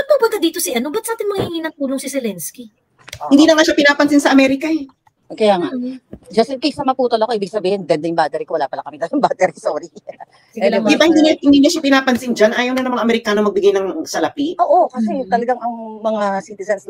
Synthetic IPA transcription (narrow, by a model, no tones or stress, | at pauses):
pɐpʊmpʊnt̪ad̪iːt̪osɪʔɐno̞bɐt̪saːt̪ɪnmɐŋhɪŋiːnɐŋt̪uːloŋsisɛlɛnski | ɪnd̪iːnɐŋaʃapɪnaːpɐnsɪnsɐʔɐmɛːɾɪkɐɛ | kɐjaːŋad͡ʒɐsɪkisɐmɐpuːt̪olɐkoiːbɪɡsɐbiːhɪnd̪ɐnd̪ɪjŋbaːt̪ɛɾikowɐlaːpɐlakɐmɪd̪alɐŋbaːt̪ɛɾisoːɾi | lɐd̪ɪbahɪnd̪iɲhɪnd̪iːɲɐʃapɪnaːpɐnsɪnd͡ʒɐnʔaːjɐwnɐnɐŋmɐŋaʔɐmɛɾɪkaːnomɐɡ̚bɪɡajnɐŋsɐlɐpiʔoːʔokɐsɛt̪ɐlɐɡaŋɐŋmɐŋasit̪ɪzɐns